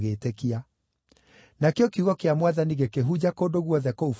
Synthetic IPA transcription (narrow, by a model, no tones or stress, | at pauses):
ɣeːtekia | nakeɔkiuɣɔkeamwaðaniɣekeɦud͡ʑakoːndoɣwɔðɛkouf